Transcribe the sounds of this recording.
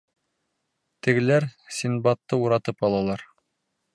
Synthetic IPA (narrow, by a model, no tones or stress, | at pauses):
t̪ɘ̆ɡɘ̆læɾsinbɑt̪ːɤuɾɑt̪ɤpɑlˠɑlˠɑɾ